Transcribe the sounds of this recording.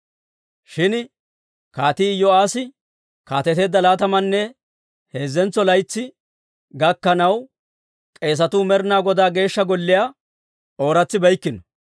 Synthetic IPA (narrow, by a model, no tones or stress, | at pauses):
ʃɪn | kaːt̪iːɪjːɔaːsɪ | kaːt̪ɛt̪e̞ːd̪ːɐlaːt̪ɐmɐnːɛ | he̞ːzːɛnt͡sːɔlɐjt͡sːɪ | ɡɐkːɐnɐw | kʼe̞ːs̬ɐt̪uːmɛɾnaːɡɔd̪aːɡe̞ːʃːɐɡɔlːɪja | ʔo̞ːɾɐt͡sːɪbɐjkːɪnɔ̥